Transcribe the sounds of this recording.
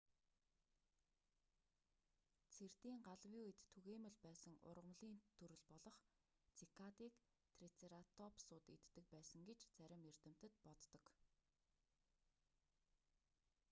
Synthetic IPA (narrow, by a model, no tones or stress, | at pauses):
t͡sʰert̪iːŋɢaɮwjiet̪ʰːɵɣeːmɘ̆ɮpæːsə̆ŋʊ̰rʁə̆mɮiːnt̪ʰɵɾɵ̆ɮpɔɮɞ̆χ | t͡sʰikʰat̪iːk | t̪ʰrit͡seɾat̪ʰɔpsʊːt̪ḛt̪ːɘ̆k̚pæːsə̆ŋɡet͡ɕt͡sæɾʲɪ̆mert̪ɘ̆m̥t̪ɘ̆t̪pɔt̪ːɞ̆k